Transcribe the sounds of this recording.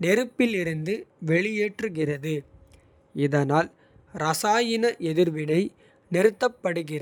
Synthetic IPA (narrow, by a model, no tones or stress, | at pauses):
nɛɾɯpːɪlɪɾɯnd̪ɯʋɛɭɪjeːʈrɯɣɪrɐðɯ | ɪðɐnaːl | ɾɐsaːjɪnɐʔɛðɪɾʋɪnɐɪ | nɪɾɯt̪ːɐpːɐɽɯɣɪr